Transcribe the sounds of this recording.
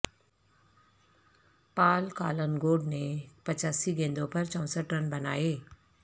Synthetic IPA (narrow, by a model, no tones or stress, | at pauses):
paːlkaːlənɡoːɖnẽpɐt͡ɕaːsiɡẽːnd̪õpɐɾt͡ɕɔ̃ːsəʈɾənbɐnaːeː